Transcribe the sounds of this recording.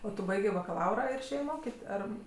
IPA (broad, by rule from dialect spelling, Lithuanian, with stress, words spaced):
oː ˈtʊ ˈbɐɪɡʲeː bɐkɐˈlˠɐʊrɐ ɪr ɪʃʲˈeːjeː ˈmoːkʲɪt ˈɐr